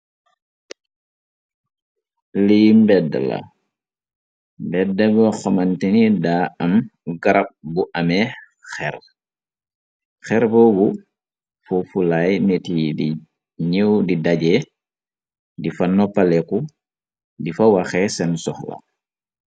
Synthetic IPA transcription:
limbɛda̰lɐ̰ | mbɛdɛbəxɔmɐntinidaːɐmɡaɾɐk̚buʔɐmɛ | xɛɾ | xɛɾbɔbu | fufulajnetidi | ɲəwdidaɟɛ | difanɔpːalɛku | difawaxɛsɛnsɔxla̰

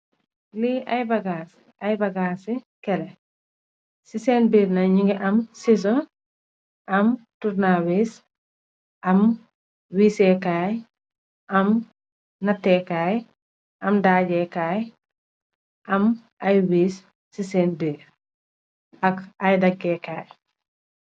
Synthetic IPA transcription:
liʔɐjbɐɡaːs | ɐjbɐɡaːsi | kɛlɛ | siseːnbiːɾnɐɲiŋɡiʔɐmsis̬ɔ | ʔɐmtuɾnawis | ʔɐm | wiːsɛkaːj | ʔɐm | nɐtːɛkaːj | ʔɐmdaːɟɛkaːj | ʔɐm | ɐjwiːsː | isɛːnbiːɾ | ɐkɐjdɐɡɛkaːj

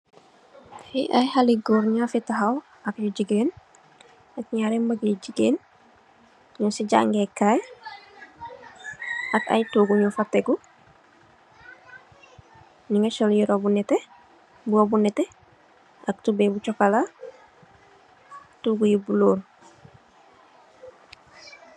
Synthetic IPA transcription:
fiʔa̰jhaliɡoɾɲafitaɦaw | akjuɟiɡeːn | ak̚ɲaɾembaɡiɟiɡeːn | ɲɔsiɟa̰ŋɡekaj | aka̰jtuɡuɲufatːeɡu | niŋat͡ʃoljiɾobunɛte | buobunɛte | ak̚tubebut͡ʃɔkala | tuɡujibuloːl

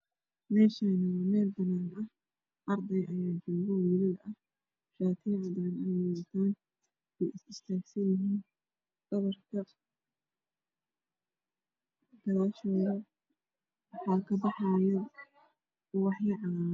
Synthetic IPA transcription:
mɛːʃanɐwmɛːlbɐnaːnɐh | ʔɐrd̪ɛjʔɐjaːd͡ʒʊːbɐwiːlɪðʔɐh | ʃaːt̪ʰiːʕɑd̪aːnɐjɪɐt̪ʰaːn | ʔɛjʔɪsɪst̪ʰaːɡsɐjɪɦiːn | ɡ̥ɐβɐrkʰɐ | ɡɐɾaːʃɔːðɐ | wɑħɑːkʰɐbħajɐ | wɑħjɪʕɑː

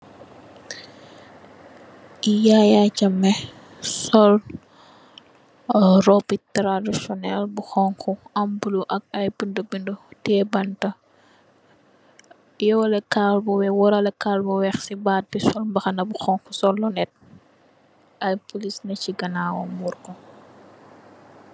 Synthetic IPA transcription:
jajacɐmːɛ | sɔl | rɔpitɾadisɔnɛlbuxɔŋkʰuɐmbuluʔɐk̚ɐjbəndəbindɔtɛbɐntɐ | jɔwɐlɛkalbɔwɛwɔɾɐlɛkalbɔwɛxsibat̚bisɔlmbɐxɐnɐbuxɔŋkusɔlːɔnɛt̚ | ɐjpulisnɐciɡɐnaːwɔmuɾkɔ

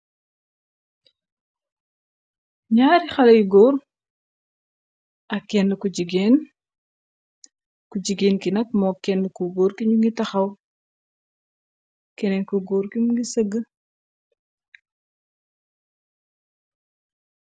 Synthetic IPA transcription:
ɲaːɾixɐlɐjɡɔːr | ʔɐkːɛnːəkuɟiɡeːn | kuɟiɡeːnkinɐk̚mɔkɛnːəkuɡoːɾkiɲuŋɡitɐxɐw | kɛnɛnkuɡɔːɾkimuŋɡisəɡːə

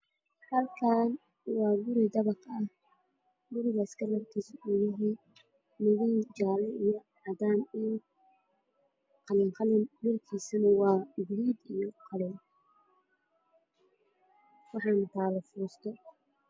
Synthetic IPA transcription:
hɐlkʰaːn | wɑːɡʊɾɪd̪ɐβɑqɐh | ɡʊɾɪɣɐɪskʰɐlɐbk̪ʰisʊʔuðɪɦiː | mʊðɪnt͡ʃaːlɛijɔ | ʕɑd̪aːnin | qɑlɪŋqɑlɪnbɪrkʰiːsɐnɐwɑːɡliːd̪ijɔqʰɑlɛ | wɑħɑːnt̪ʰaːlɐfʊɾst̪ʰɔ

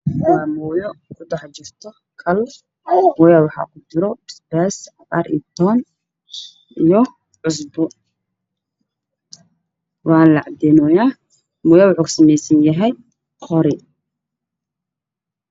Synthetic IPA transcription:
waːmujɔkʰʊd̪ɑħt͡ʃɪrt̪ʰɔ | kʰɐl | mɔjawɑħɑ̰ːkʰʊd̪ɪɾɔd̪ɪ̥sbɛːsɑqʼɑ̰ɾḭt̪ʰɔːn | ʔijɔ | ʕʊs̬bɔ | wɑːnlɑʕɑd̪ɛnɔːjaː | mʊːjaːwħʊːkʰʊ̥sɐmɛjsɐnjɐɦɛj | χɔɾɪ

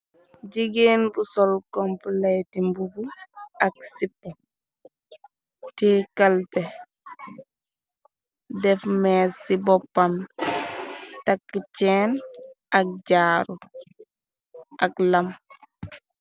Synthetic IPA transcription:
ɟiɡeːnbusɔlkɔmpulɛjtimbubuak̚sipːa | tiːkalpɛ | dɛfmɛsːibɔpːan | takːit͡ʃɛːnʔak̚ɟaːɾu | ʔaklam

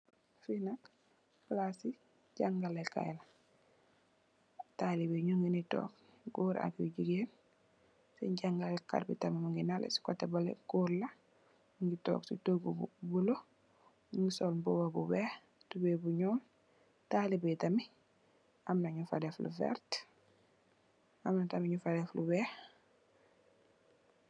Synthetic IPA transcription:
finak | plasi | ɟaŋɡaleka̰jɛla | talibeɲuŋɡinitɔ̰ːk | ɡuːɾa̰kiuɟiɡeːn | sḛɲɟaŋɡaleka̰ɾbḭtamimuŋɡinalḛsi̥kotebalḛɡuːɾla | muŋɡitɔ̰ksitoɡubulo | uŋɡisolmbowabuwɛːx | tubebuɲɔːl | talibetami | amnaɲufa̰deflṵfɛ̰ɾt | amnatamiɲufadɛfluwɛx

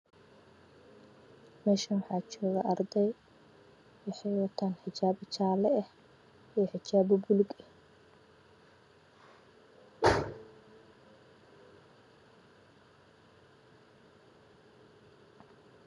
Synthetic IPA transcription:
mɛːʃɐwɑħɑːt͡ʃɔːɣɐʔɐrd̪ɛj | wɪħɑjwɑt̪ʰanħɪt͡ʃaːbt͡ʃaːlɛɛh | ijħɪt͡ʃaːbɔbʊlɪɡɛ

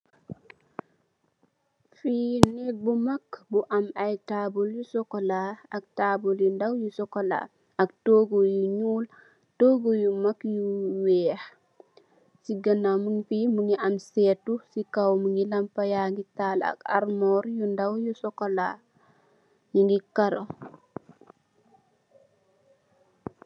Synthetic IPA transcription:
finɛbumakbuʔɐmajtaboljusɔkolaak̚taːboljundawjusɔkola̰ | ɐk̚toːɡojuɲuːl | toːɡojumakjuwɛːx | siɡənamuŋfimuŋɡiʔɐmsɛːtusikawmuŋɡilɐmpajaŋɡitala̰ka̰ɾmɔːɾjundawjusɔkola | juŋɡikaɾo

